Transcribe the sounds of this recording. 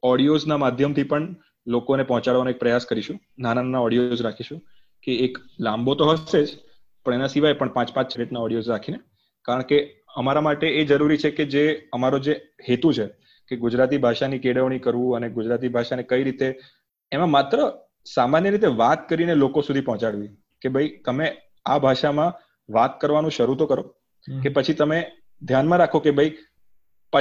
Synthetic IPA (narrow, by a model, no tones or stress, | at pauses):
ɔɽijoznamad̪ʱjəmt̪ʰipəɳ | lokonepɔɦɔ̃t͡ʃaɽʋanoek̚pɾəjaskəɾiʃũ | nanananaɔɽijod͡ʒɾakʰiʃũ | keːklãmbot̪oɦəʃed͡ʒ | pəɳ̃enasiʋajpəɳpãt͡ʃpãt͡ʃt͡ʃɾeʈnaɔɽijod͡ʒɾakʰine | kaɾəɳke | əmaɾamaʈeːd͡ʒəɾuɾit͡ʃʰeked͡ʒeəmaɾod͡ʒehet̪ũt͡ʃʰe | keɡud͡ʒɾat̪̬ibʱaʃanikeɽəʋɽ̃ikəɾʋũəneɡud͡ʒɾat̪̬ibʱaʃanekəiɾit̪eː | mãmat̪ɾə | samanjəɾit̪eʋat̪kəɾinelokosud̪ʱipɔɦɔ̃t͡ʃaɽʋi | kebʱəit̪əme | abʱaʃamã | ʋat̪kəɾʋanũʃəɾut̪okəɾo | kepət͡ʃʰit̪əme | d̪ʱjanmãɾakʰokebʱəi | pə